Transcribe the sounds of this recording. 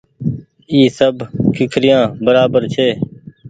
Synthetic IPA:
iːsəbkʰɪkʰɾɪjãːbəɾaːbəɾt͡ʃʰeː

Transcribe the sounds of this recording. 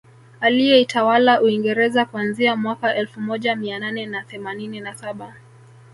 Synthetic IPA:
alijɛitawalaʔuiŋɡɛɾɛzakwanziamwakaʔɛlfumɔʄamiananɛnaθɛmanininasaɓa

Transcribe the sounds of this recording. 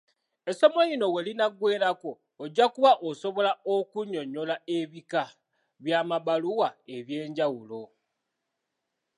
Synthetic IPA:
eso̞mojino̞welinaɡwe̞ːɾako̞ː | ɟːakuβaʔoso̞βo̞laokuɲo̞ɲo̞laeβika | βjaːmaβaluwae̞βjeːɲɟawulo̞

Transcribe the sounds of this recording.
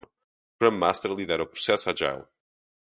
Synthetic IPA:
kɾɐ̃mːast̪ɛɾlˠiðɛɾawpɾu̥sɛsuad͡ʒa̰jlˠ

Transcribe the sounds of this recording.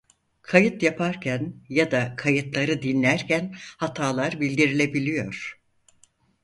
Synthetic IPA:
kʰajɯt̪japʰaɾcʰænjad̪akʰajɯt̪lˠaɾɯd̪inlːʲæɾcʰænhat̪ʰaːlˠaɾbilʲd̪iɾilʲe̞bilʲijo̞ɾ̥

